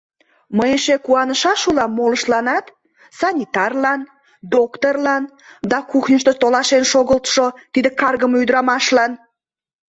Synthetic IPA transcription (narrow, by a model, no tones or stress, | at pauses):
məjeʃekuɑnəʃɑʃulɑmːoləʃlɑnɑt̪ | sɑnʲit̪ɑrlɑn | d̪okt̪orlɑn | d̪ɑkuxnʲəʃt̪ot̪olɑʃenʃoɣəlt̪ʃot̪id̪əkɑrɣəmyd̪əɾɑmɑʃlɑn